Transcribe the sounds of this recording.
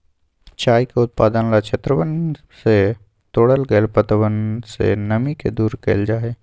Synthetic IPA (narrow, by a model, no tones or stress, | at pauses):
t͡ʃaːjkeʊt̪̚paːd̪ənlat͡ʃʰet̪ɾəʋən | se | t̪oːɽəlɡəlpət̪əʋənsḛnəmikḛd̪uːɾkḛːld͡ʒaːe